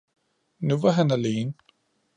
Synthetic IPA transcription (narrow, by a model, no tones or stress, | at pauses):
nuʋɑɦænæleːn